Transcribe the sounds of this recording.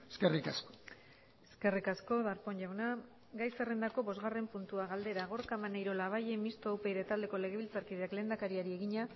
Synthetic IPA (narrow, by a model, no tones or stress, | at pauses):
eskerikasko̥ | eske̞rikasko̞ðaɾpo̞ɲʝawna | ɡajsere̞nd̪ako̞βo̞zɣare̞mpunt̪uaɣald̪e̞ɾaɣ̞o̞ɾkamanejɾo̞laβajemist̪oːwpe̞jðet̪ald̪e̞ko̞le̞ɣ̞eilt͡saɾkiðeakle̞ːnd̪akaɾiaɾie̞ɣiɲa